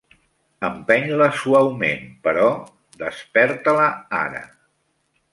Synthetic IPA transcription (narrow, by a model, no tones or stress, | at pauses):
əmpɛɲləsuawmenpəɾɔ | d̪əspɛɾt̪ələa̰ɾə̰